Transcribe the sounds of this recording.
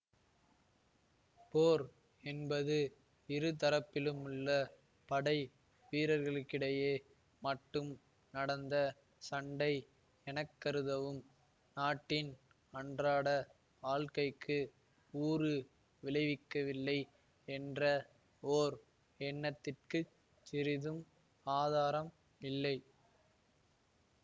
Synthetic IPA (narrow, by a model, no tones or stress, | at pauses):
poːɾ | ɛnbɐðɯ | ɪɾɯt̪̬ɐɾɐpːɪlɯmɯɭːɐ | pɐɽɐɪ | ʋiːɾɐɾɣɐɭɯkːɪɽɐjeː | mɐʈːɯm | nɐɽɐnd̪ɐ | sɐɳɖɐɪ | ɛnɐkːɐɾɯðɐʋɯm | naːʈːɪn | ɐɳdraːɽɐ | ʋaːɭkɐɪkːɯ | uːɾɯ | ʋɪlɐɪʋɪkːɐʋɪlːɐɪ | ɛndrɐ | oːɾ | ɛɳːɐt̪ːɪrkɯ | t͡ʃɪɾɪðɯm | aːðaːɾɐm | ɪlːɐɪ